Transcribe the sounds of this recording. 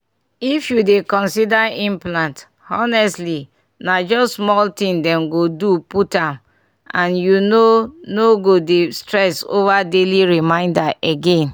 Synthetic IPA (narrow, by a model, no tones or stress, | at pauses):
ifjudekɔ̃nsidaĩmplãnt | ɔnɛstli | nad͡ʒɔssmɔltĩŋdɛ̃mɡoduputãm | ãnjunonoɡodestɹɛso̰vadeliɹimãɪ̃ndaʔeɡẽn